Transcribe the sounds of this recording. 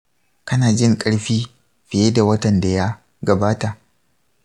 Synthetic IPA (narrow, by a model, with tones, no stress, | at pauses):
kɐ˦naː˨d͡ʒɪ˦˨ŋkʼɐ˦ɽɸiː˦ | ɸɪ˨jeː˦da˨wɐ˦tɐ˨nda˨ja˦ | ɡɐ˨baː˦ta˨ʔ